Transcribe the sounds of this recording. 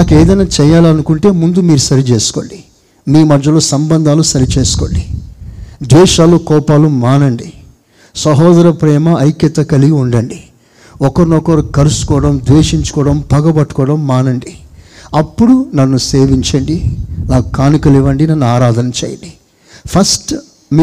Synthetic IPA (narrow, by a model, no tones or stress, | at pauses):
naːkeːd̪ɐjnaːt͡ʃɛjaːlɐnukuɳʈe̞ːmund̪umiːɾusɐɾit͡ʃeːsu̥ko̞ːɳɖi | miːmɐːɐlo̞ːsɐmbɐnd̪ʱaːlusɐɾit͡ʃe̞ːsu̥ko̰ːɳɖi | d̪ʋɛːʃaːlukɔːpaːlumaːnɐɳɖi | sɐɦɔːd̪ɐɾɐpɾɛːmɐʔɐjkjɐt̪ːɐkɐliɡiuɳɖɐɳɖi | ɔkɐɾnɔkɐɾukɐɾusu̥kɔːɐɽɐmd̪ʋeːʂiɲt͡ʃu̥kɔːɽɐmpɐɡɐbɐʈːu̥kɔːɐɽɐmːaːnɐɳɖiɐpːuɽunɐnːuseːʋiɲt͡ʃɐɳɖinaːkkaːnikɐliʋɐɳɖinɐnːuaːɾaːd̪ʱɐnɐt͡ʃḛːjɐ̰ɳɖi | pʰɐsʈ | m